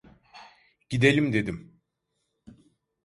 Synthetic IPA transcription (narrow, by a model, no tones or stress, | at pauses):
ɟ̥id̪elʲimd̪ed̪im